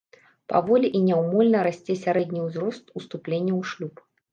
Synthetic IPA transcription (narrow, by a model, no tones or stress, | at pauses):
pa̰vɔlʲiʔinʲɛwmɔlʲnɐɾasʲt͡sʲɛsʲaɾɛd̪ʲnʲiwzɾɔst̪ust̪uplʲenʲːɐwʂlʲup